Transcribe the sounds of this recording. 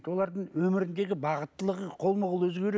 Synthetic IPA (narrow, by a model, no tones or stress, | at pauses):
t̪wo̞lˠɑɾd̪əɴwɵmɪɾɪnd̪e̞ɡʲɪbɑʁət̪ːəlˠəʁəqʰo̞lˠməʁəlˠɵzɡʲe̞ɾ